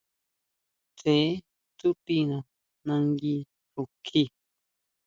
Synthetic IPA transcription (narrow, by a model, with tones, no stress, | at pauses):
t͡se˨˦ | t̪u˦pi˦˧nã˨ | nã˧ŋɡi˧ | ɾu˨kʰi˦